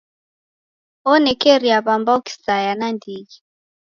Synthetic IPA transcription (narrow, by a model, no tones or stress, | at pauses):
ɔnɛkɛɾiaβambaki̥sajanandiɡi